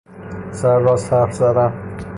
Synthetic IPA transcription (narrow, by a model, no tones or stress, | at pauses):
sæɾːɒːsæɾfzæd̪æn